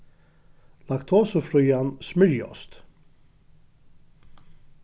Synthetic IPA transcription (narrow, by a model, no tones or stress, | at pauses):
lɑkt̪ʰoːsəfɾʉːɑnsmʏɹjɔ̰st̪